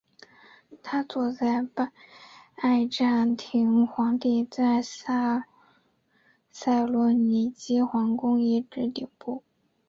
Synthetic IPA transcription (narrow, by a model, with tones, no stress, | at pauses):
t̪ʰa˥t͡swɔ˨˩t͡sa˥˩ɪpa˥˧ɪʈ͡ʂa˥˩nt̪ʰi˧˥ŋxwɑ˧˥ŋt̪i˥˧t͡sa˥˧˩ɪsa˥ | sa˥˩ɪlɔ˧˥ni˧˩t͡ɕi˥xwɑ˧˥ŋkʊ˥ŋi˥˩ʈ͡ʂɻ̩˧˥t̪i˨˩ŋpu˥˩